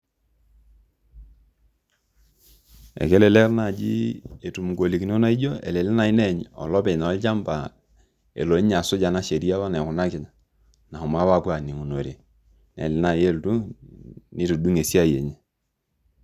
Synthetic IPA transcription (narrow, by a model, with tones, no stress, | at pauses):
ɛ̰˨kɛ˦lɛ˨lɛ˦rna˨d͡ʒḭ˦e˨tu˨m˨ɡo˨li˨kno˦na˦i˦d͡ʒo˦ḛ˨le˨lɪ˦na˨i˦nɛ˦˨ɲɔ̰˨lɔ˦pɛ˨na˨˦t͡ʃa˦mba˨ | ḛ˨lo˨i˦ɲa˨sʊ˦d͡ʒa˨na˦ʃe˨ɾi˦a˦βa˦nɛ˨kʊ˨na˦kɪ˨ɲa˨ | na˨ʊ˨ma˦wa˦˨pwa˨ni˨ŋu˨no˨ɾe˨ | nɛ̰˨lɪ˨˦na˨je˦˨ltu˦ | nɪ˦tu˨du˦ŋe˨si˦a˦je˨ɲe˦